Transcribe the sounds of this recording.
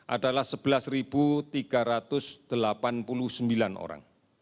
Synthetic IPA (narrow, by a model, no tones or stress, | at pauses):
ʔa̰dalahsəb̥əlasrib̥ut̪iɡ̥a̤ɾat̪ʊsd̪̥əlapanpulʊhsəmbilano̰ɾa̰ŋ